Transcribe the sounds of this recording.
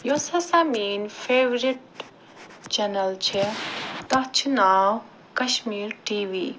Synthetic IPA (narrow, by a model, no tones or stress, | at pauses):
josɐsamiːnfʰeːʋɾiʈ̚ | t͡ʃɛnɐlt͡ʃʰit̪ɐɦt͡ʃʰunaːw | kɐʃmiːɾʈiːʋiː